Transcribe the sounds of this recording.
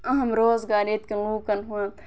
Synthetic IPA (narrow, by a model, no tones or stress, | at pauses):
ɐɦɐmɾoːzɡaːɾeːt̪̚kɐluːkɐnɦũɐ